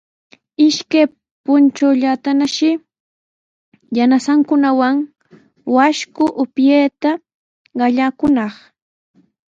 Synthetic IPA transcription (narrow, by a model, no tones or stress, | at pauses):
ɪʃkaj | pʊnt͡ʃawʎat̪anaʃɪ | janasaŋkʊnawaŋ | waʃkʊʔʊpjeːt̪a | ɢɑʎakʊnɑχ